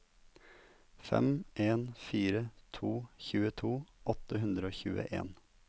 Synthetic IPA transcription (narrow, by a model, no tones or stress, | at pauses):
fɛ̰mʔeːnfiːɾət̪ʰuːçʉːət̪ʰuːʔɔt̪əhʉnd̪ɾəoːçʉ̰ːə̰ʔḛːn